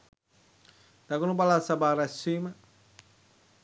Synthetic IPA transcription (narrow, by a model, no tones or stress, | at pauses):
t̪akunupalasabaɾasima